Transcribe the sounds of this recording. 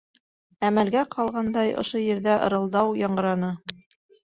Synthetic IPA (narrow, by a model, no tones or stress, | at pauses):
æmælɡæqʰɑlˠʁɑnd̪ɑjŏ̰ʃojɘ̆ɾðæʔɤ̰̆ɾɤ̆lˠd̪ɑwjɑɴɢɤ̆ɾɑnɤ